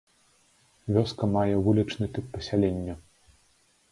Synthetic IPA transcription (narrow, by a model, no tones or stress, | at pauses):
vʲɔskɐmajɛvulʲit͡ʂnɨt̪ɨpːɐsʲalʲɛnʲːɐ